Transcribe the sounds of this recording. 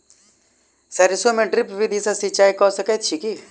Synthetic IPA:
sɐɾɪsomẽɖɾɪpʋid̪ʱisɐsit͡ʃaːikɔːsɐkɐjt̪̚t͡ʃʰiki

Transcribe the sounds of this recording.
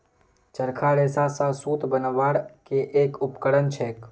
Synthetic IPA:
t͡ʃəɾkʰaɾeːsasãsuːt̪bənʋaːɽkeʔeːkʊpkəɽənt͡ʃʰeːk

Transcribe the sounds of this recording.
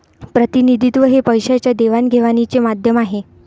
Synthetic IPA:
pɾət̪inid̪ʱit̪ʋəɦepəjɕat͡ɕjad̪eʋanɡʱeʋanit͡semad̪ʱjəmaɦe

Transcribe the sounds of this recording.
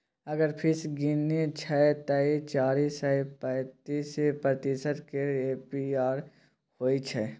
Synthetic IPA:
ɐɡəɾpʰɪsɡinet͡ʃʰɛt̪ɐit͡ʃaːɾiːsɛpɛ̃ːt̪iːsepɾət̪isət̪keeːpiaːɾ | hoːit͡ʃʰɛ

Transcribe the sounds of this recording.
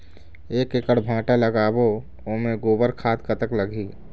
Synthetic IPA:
eːkekəɽbʱãːʈaləɡaːbo | oːmẽɡoːbəɾkʰaːt̪kət̪əkləɡiː

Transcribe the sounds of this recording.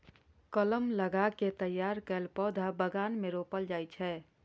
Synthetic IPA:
kələmləɡaket̪əjːaɾkəlpɔd̪ʱabəɡanmeɾopəld͡ʒajt͡ʃʰɛ

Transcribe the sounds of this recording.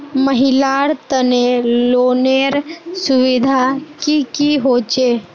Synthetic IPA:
məɦɪlaɾt̪əneloːneɾsʊʋɪd̪ʱakikiɦoːt͡ʃe

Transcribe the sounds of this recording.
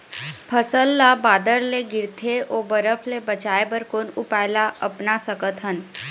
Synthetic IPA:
pʰəsəlːabaːd̪əɾleɡɪɾt̪ʰeʔoːbəɾəpʰlebɐt͡ʃaːebəɾkoːnʊpaːɪlaʔɐpnasəkət̪ɦən

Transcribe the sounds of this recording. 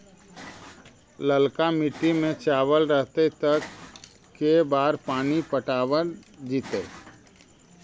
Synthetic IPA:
ləlkamɪʈːimẽt͡ʃaːwəlɾəɦt̪et̪ɐ | kːebaːɾpaːnipəʈaːwəɾd͡ʒiːt̪eː

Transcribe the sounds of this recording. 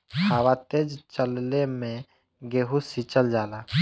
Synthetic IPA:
haːwat̪eːd͡ʒt͡ʃəllemẽ | ɡeːɦusit͡ʃəld͡ʒaːlaː

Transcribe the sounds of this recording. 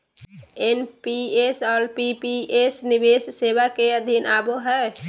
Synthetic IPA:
enpiesɔlpipiesnibessebakeəd̪ʱinaboɦɛ

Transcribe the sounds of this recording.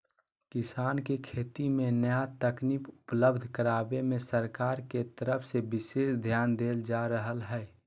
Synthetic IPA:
kɪsaːnkekʰeːt̪imẽnəjat̪əknipʊpləbd̪ʱkəɾaːbemẽsəɾkaːɾket̪əɾəpʰsebɪʃeːʃd̪ʱjaːnd̪eːld͡ʒaːɾəɦəlɦɛː

